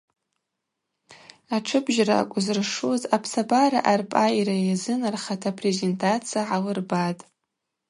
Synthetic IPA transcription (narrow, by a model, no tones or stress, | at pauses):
aʈ͡ʂʰɨbʒra̰kʷʼʊzrʂuzapʰsabaɾa̰ʔarpʼajiɾajazɨnarχatʰapʰrezentʰʼat͡sʰijaʕawɨrbatʼ